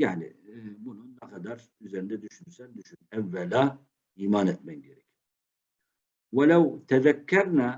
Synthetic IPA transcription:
jaʕnḭbununːɛqʰad̪aɾ | yzeɾind̪ɛd̪yʃynysɛnd̪yʃynɛvːɛla | iːmaːnɛt̪mɛnɟeɾɛc | wɛlawt̪ʰɛðɛkʰːæɾna

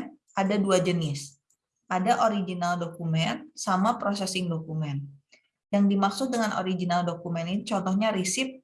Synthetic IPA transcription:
ʔadaduad͡ʒənɪs | ʔadaʔoɾiɡinaldokumɛnsamapɾosɛsɪŋdokumɛn | jaŋdimaksʊdəŋano̰ɾiɡinaldokumɛnint͡ʃɔnt̪ɔhɲaɾisɪp̚

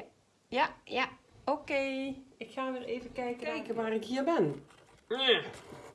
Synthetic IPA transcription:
jajaokeːɪkxaːʋɪleːvəkɛjkəɛjkəʋaːrɪkhiəbɪn | a

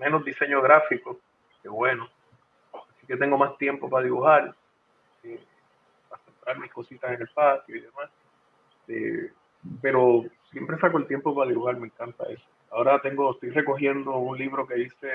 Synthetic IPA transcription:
me̞no̞zd̪ise̞ɲoɣɾafiko̞ | keβwe̞no | asike̞t̪e̞ŋɡo̞mast̪je̞mpo̞paðiβuhaɾ | e | pasemp̪ɾaɾmihko̞sit̪asene̞lpat̪joiðe̞mas | et̪ḛ | pe̞ɾo̞sje̞mpɾe̞sakoe̞lt̪jempopaðiβuhaɾme̞ŋkant̪a̰e̞so̥ao̞ɾat̪e̞ŋɡo̞est̪o̞jre̞ko̞ɦje̞nd̪o̞unliβɾo̞ke̞ðise̞

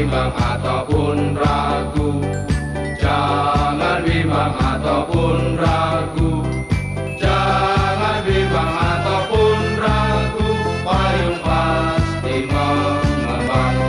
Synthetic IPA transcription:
mbaŋat̪apʊnraɡu̥ | d͡ʒaŋanbimbaŋat̪awpʊnraɡu̥ | d͡ʒaŋanbibaŋat̪apʊnraɡupajuŋpat̪iŋamama

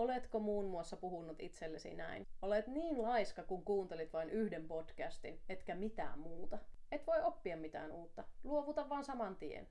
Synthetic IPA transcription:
olet̪komuːnmuɑsːɑpuhunːut̪it̪selːesḭnæ̰inolet̪niːnlɑiskɑkuŋkuːnt̪elit̪ʋɑinyhdempod̥kæst̪inet̪kæmit̪æ̰ːmmuːt̪ɑet̪ʋoiʔopːiɑmmit̪æ̰ːnuːt̪ːɑluoʋut̪ɑʋʋɑːnsɑmɑnt̪iḛn

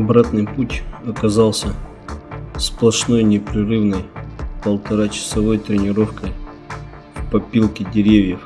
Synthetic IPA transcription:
ɐbɾat̪nɨjputʲɐkɐzalˠsʲə | splˠɐʂno̞jnʲɪpɾʲɪrɨvnəjpəlˠt̪ɐɾat͡ɕɪ̥sɐvo̞jt̪ɾʲɪnʲɪɾo̞fkəj | fpɐpʲilˠkʲɪdʲɪɾʲevʲjəf

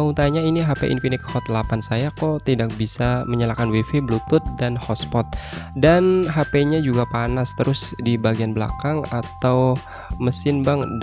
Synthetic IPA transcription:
aut̪aɲainiɦapḛʔḭnfinɪt̪̚hɔt̪lapansajakɔt̪idak̚bisaməɲəlakanwifeblut̪ʊt̪̚danhɔspɔt̪̚danɦapeɲad͡ʒuɡapanast̪əɾʔʊsdibaɡianbəla̰kaŋat̪aw | məsɪnbaŋ

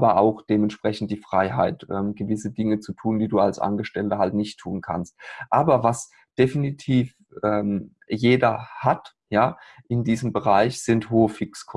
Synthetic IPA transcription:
ʔbɐʔaʊxd̥eːmɛntʃpʁ̥ɛçn̩td̥iːfʁ̥aɪɦa̰ɪtʔɛːmɡ̥əvɪsədɪŋət͡sutʰuːndiːduːalsʔa̰nɡəʃtɛltəɦaltnɪçtʰːuːnkʰa̰nst̚ʔaːbɐvas | d̥efinitʰiːf | ʔɛːm | jeːdɐhat | jaː | ʔɪndiːzəmbəʁaɪçz̥ɪnthoːəfɪkskʰɔ

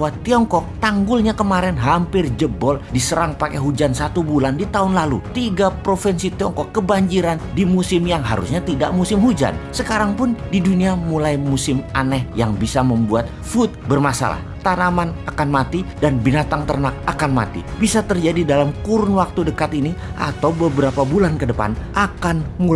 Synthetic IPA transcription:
wat̪iɔŋkɔk̚t̪aŋɡʊlɲakəmaɾɛnɦampɪrd͡ʒəbɔldisəɾaŋpakɛɦud͡ʒansat̪ubulandit̪aɦʊnlalṵt̪iɡapɾofɛnsit̪iɔŋkɔkːəbaɲd͡ʒiɾandimusɪmjaŋɦa̰ɾṵsɲat̪ida̰ʔmusɪmɦud͡ʒa̰nsəkaɾaŋpʊndiduniamulajmusɪmʔanɛhjaŋbisaməmbuat̪̚ | fut̪̚bərmasa̰la̰ht̪anamanakanmat̪idanbinat̪aŋt̪ərnak̚akanma̰t̪ḭbisat̪ərd͡ʒadidalamkuɾʊnwak̚t̪udəkat̪iniʔa̰t̪awbəbəɾapabulankədəpa̰nʔakanmu

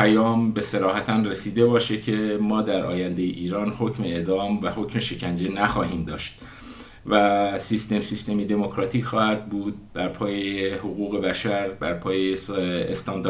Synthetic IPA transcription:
pʰæjɒːmbe̞se̞ɾɒːhæt̪ʰænresiːd̪e̞bɒːʃe̞cʰe̞mɒːd̪æɾʔɒ̰ːjænd̪ejeʔiːɾɒːnho̞cʰmeed̪ɒːmvæho̞cmeʃe̞cʰænd͡ʒe̞næxɒːhiːmd̪ɒːʃt̪ | væsist̪e̞msist̪e̞mid̪e̞mocʰɾɒːt̪ʰiːcxɒːhæd̪̚buːd̪̥̚bæɾpʰɒːjehoɣuːɣe̞bæʃæɾbæɾpʰɒːjeːst̪ɒːnd̪

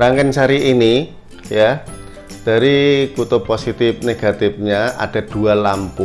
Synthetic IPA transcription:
ɾaŋkɛnsaɾiʔini | ja | d̥a̤ɾikut̪ʊposit̪ɪf̚neɡ̥a̤t̪ɪfɲaʔa̰d̥a̤d̥ualampʊ

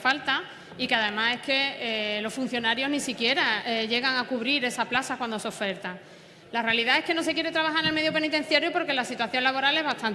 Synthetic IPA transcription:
falt̪a | ikeaðe̞mãse̞ke̞lo̞sfun̟θjo̞naɾjo̞ɦnisikje̞ɾaeʝe̞ɣaŋakuβɾiɾe̞saplasakwand̪o̞seo̞fe̞ɾt̪aŋ | lare̞aliðae̞hke̞no̞se̞kje̞ɾe̞t̪ɾaβaɦaɾeneme̞ðjopenit̪e̞n̟θjaɾjopo̞ɾke̞lasit̪waθjo̞ŋlaβo̞ɾale̞ɦβat̪ʰan

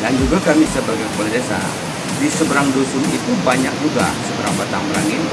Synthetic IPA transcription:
dand͡ʒuɡakamisəbərɡakəpəlid̪esa̰ | disəbəɾaŋdosʊnit̪ubaɲak̚d͡ʒuɡa̰səbəɾa̰ŋbat̪aŋməɾa̰ŋɪn

